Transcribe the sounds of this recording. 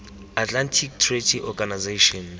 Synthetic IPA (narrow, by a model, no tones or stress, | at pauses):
atlantʰik̚tʰretʰiʔɔɡanazeʃɔn